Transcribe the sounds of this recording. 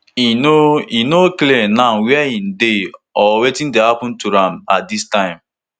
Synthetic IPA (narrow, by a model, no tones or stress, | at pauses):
inoinoklenãnwɛɛin̩deɔwetĩn̩dehapʊ̃n̩tuɾãmatdistãɪ̃m